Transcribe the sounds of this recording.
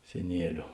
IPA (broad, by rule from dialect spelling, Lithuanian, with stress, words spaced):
sʲɛˈnʲiɛlʲʊ